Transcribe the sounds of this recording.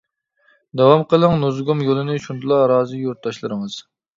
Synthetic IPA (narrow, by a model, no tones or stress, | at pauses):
d̪ɑwɑmqəlˠɨŋnozɡomjolˠɨnɨʃund̪ɨlˠɑɾɑːzɨjoɾt̪̚d̪ɑʃlˠɨɾɨŋɨz̥